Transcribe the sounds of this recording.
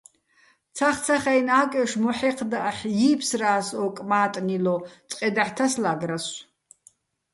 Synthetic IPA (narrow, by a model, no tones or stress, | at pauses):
t͡sʰaχt͡sʰaχajnaːkʼɛʂmɔħɛqʰd̪aʔaħjiːpʰsraːsɔkʼmaːt̪ʼnilɔt͡sʼqʼɛd̪aħt̪ʰaslaɡras